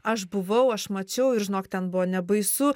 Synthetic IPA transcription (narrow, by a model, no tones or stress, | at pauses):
ɐʃbʊʋɐʊɐʃmɐt͡ʃʲɛʊɪɾʒʲɪnoːkt̪ʲɛnbʊʋoːnʲɛbɐɪsʊ